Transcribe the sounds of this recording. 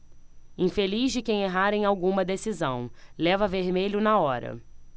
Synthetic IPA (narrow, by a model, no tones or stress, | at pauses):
ĩfelizd͡ʒɪkẽj̃eɦaɾẽj̃awɡũmɐd̪esizɐ̃w̃lɛvɐveɾmeʎʊnaɔɾɐ̰